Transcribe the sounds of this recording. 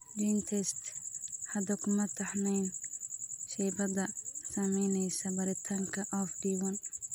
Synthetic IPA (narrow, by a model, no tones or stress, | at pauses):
bint̪ʰɛst̪hɐd̪ɐkʊmɐt̪ʰːɐħmɛjn | ʃɛːbɐd̪ɐsɐmɛjnɛjsɐbɐɾɪt̪ʰɐŋkʰɐʔɔfdiwɔn